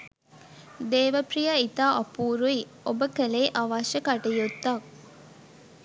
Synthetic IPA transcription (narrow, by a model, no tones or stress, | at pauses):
d̪eːʋɐpɾijɐit̪aːʔɐpuːɾui | obəkɐleːʔɐʋaːʃɐkɐʈejut̪ːɐk